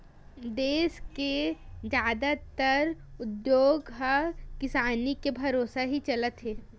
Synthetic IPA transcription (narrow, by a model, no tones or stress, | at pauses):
d̪eːsked͡ʒjaːd̪at̪əɾʊd̪joːɡɦɐkɪsaːnikebʱɐɾoːsaɦit͡ʃɐlət̪ɦeː